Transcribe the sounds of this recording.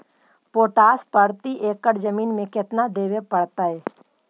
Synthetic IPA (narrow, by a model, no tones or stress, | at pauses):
poːʈaːspəɾt̪iʔeːkːəɽd͡ʒəmiːnmẽkɪt̪nad̪eːʋepɐɽt̪aɦɛː